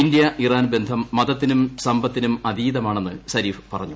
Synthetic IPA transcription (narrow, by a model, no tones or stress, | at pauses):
ind̪jɐʔiraːnbend̪ʱɐmːɐðɐt̪ːinumsɐmbɐt̪ːinumɐd̪iːðɐmaːɳe̞nːɨsɐɾiːfɨ̥pɐrɐɲːu